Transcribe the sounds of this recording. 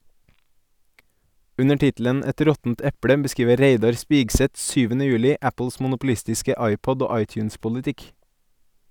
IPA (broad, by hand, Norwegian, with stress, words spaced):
ˈʉnə ˈʈɪtl̩ən ˈɛt ˈɾɔtn̩t ˈɛpɽə bəˈskiːʋə ˈɾeɪdɑɾ ˈspɪɡsɛt ˈsyːʋənə ˈjʉːlɪ ˈæpl̩s mn̩ʊpl̩ˈɪstɪskə ˈɑɪˌpɔd ˈoː ˈɑɪtjʉnspʊlɪˌtɪk